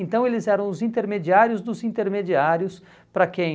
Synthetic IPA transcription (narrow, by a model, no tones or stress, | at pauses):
nt̪ɐ̃w̃elɪzɛɾɐ̃w̃ʊzĩt̪eɾmed͡ʒiaɾjʊzd̪ʊzĩnt̪eɾmed͡ʒiaɾjʊs | pɾɐkẽj̃